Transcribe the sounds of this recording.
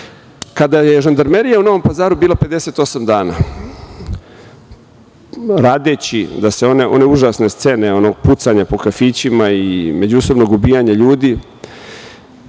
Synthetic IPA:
kad̪ajeʒand̪aɾmeɾijauno̞ʋo̞mpazaːɾubiːlˠape̞d̪ese̞t̪o̞samd̪aːna̰ | ɾaːd̪e̞t͡ɕid̪aseo̞neʔo̞̰ne̞uʒasne̞st̪sene̞o̞no̞ɡput̪saɲapo̞kafiːt͡ɕimaime̞d͡ʑuso̞bno̞ɡubiːjaɲaʎuːd̪i

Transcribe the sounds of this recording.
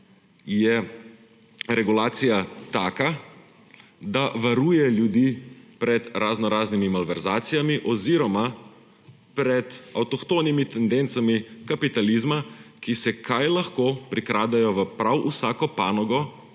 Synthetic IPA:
jɛ | ɾɛɡulaːt̪sijat̪aːka | d̪aʋaɾuːjɛljud̪iːpɾɛd̪ɾaznɔɾaːznimimalʋɛɾzaːt̪sijamiʔɔziɾɔma | pɾɛd̪awt̪ɔxt̪oːnimit̪ɛnd̪ɛnt̪samikapit̪alizmakisɛkʰajlaxkoːpɾikɾaːd̪ajɔʋəpɾawʔusaːkɔpaːnɔɡɔ

